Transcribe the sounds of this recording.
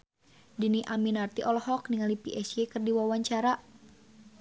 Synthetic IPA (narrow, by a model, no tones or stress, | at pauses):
diniʔaminart̪iʔɔlɔhɔkniŋalipiʔɛsjekɨrdiwawaɲt͡ʃaɾa